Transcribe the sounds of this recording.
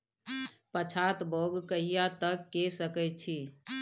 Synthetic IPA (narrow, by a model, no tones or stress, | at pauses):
pət͡ʃʰat̪boɡkəɦijat̪əkːesəkɛt͡ʃʰi